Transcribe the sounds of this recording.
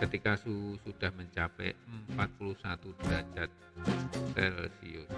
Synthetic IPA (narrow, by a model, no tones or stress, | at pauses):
kət̪ikasusud̥ahməɲt͡ʃapɛ̰əmpat̪̚puluhsat̪ud̥ad͡ʒat̪̚sɛlsḭus